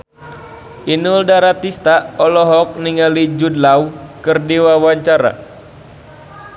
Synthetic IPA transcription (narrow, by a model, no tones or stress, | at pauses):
ʔinuldaɾat̪ist̪aɔlɔɦɔk̚niŋalid͡ʒudlaukɨrdiwawaɲt͡ʃaɾa̰